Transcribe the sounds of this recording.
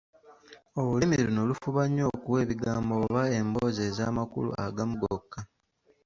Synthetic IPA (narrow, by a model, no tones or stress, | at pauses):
o̞βulimiɾinolufuβaɲːo̞ːkuwe̞ːβiɡaːmboβae̞mboze̞ːzaːmakṵlṵa̰ɡamuɡokːa